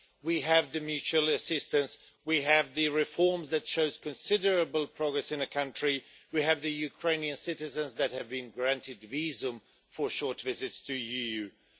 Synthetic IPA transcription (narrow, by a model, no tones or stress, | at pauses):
wiɨvðɨmjʉt͡ʃʉəlˠɨsɪstɨ̃ns | wiɨvðɨɹɪfɔɹmzðɨtʃoʊz̥kʰɨ̃nsɪdə˞əbəl̩ˠpʰɹ̥ɑɡɹɛsɨ̃nɨkʰʌ̃nt͡ʃɹ̥iwiɨvðɨjʉkʰɹ̥ẽɪ̃niɨ̃nsɪɾɨzɨ̃nzðɨt̚hɨvbɨ̃nɡɹæ̃ntʰɨdvizə̃m | fə˞ʃɔɹtvɪzɨtstʰɨijʉ